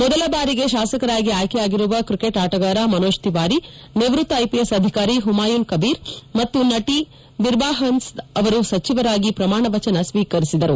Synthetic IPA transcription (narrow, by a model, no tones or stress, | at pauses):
mɔd̪ɐlɐbaːɾiɡe̞ʃaːsɐkɐɾaːɡiaːjkɛjaːɡiɾuʋɐkɾikeʈaːʈɐɡaːɾaːmɐnoːʃt̪iʋaːɾi | neʋɾut̪ːɐjpijesɐd̪ʱikaːɾiɦumaːjunkɐbiːɾmɐt̪ːunɐʈi | ʋiɾbaːɦɐnsɐʋɐɾusɐt͡ʃiʋɐɾaːɡipɾɐmaːɳɐʋɐt͡ʃɐnɐsʋiːkɐɾisid̪ɐɾu